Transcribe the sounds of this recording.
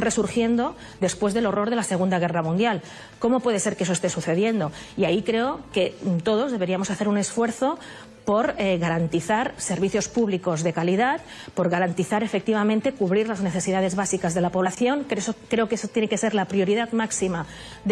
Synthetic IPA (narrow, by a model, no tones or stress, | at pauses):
resuɾxje̞nd̪o̞ | d̪e̞spwe̞zðelo̞ro̞ɾðe̞lase̞ɣ̞und̪aɣ̞e̞ramũnjal | ko̞mo̞pwe̞ð̞ese̞ɾkee̞so̞est̪esuθe̞ðje̞nd̪o̞iaikɾe̞oke̞t̪oð̞o̞zðeβe̞ɾiamo̞saθe̞ɾune̞sfwe̞ɾθo̞ | po̞ɾeɣaɾant̪iθaɾse̞ɾβ̞iθjo̞spuβliko̞zðe̞kaliðat̪ | po̞ɾɣaɾant̪iθaɾe̞fe̞k̚t̪iβamẽnt̪e̞kuβɾiɾlazne̞θe̞siðað̞e̞zβasikazðe̞lapo̞β̞laθjo̞ŋkesokɾe̞okesot̪je̞neke̞se̞ɾlapɾio̞ɾiðat̪maksima